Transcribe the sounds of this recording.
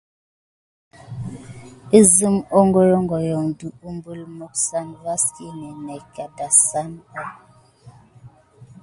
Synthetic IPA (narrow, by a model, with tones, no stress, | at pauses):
i˦zɨ˦mo˦ŋɡo˦ɾo˦ŋɡɔ˨jɔ˨ŋdu˨u˦mbu˦lmo˦k̚sa˦nva˦ski˦nɛ˨nɛ˨ka˨da˨sa˦na˦